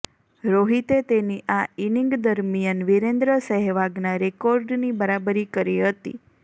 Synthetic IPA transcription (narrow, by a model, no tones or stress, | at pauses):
ɾoɦit̪et̪eniʔainiŋɡd̪əɾmijənʋiɾend̪ɾəsəɦɛʋaɡnaɾekoɾɖnibəɾabəɾikəɾiɦət̪ḭ